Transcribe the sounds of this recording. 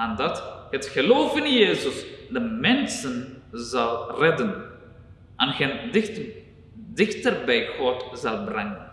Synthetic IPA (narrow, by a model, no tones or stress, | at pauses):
andɑthətxəloːfɪnjeːzəsdəmɛnsənzɑlˠrɛdən | ʔanɣen | dɪxtərbɛjxɔtzɑlˠbrɛŋən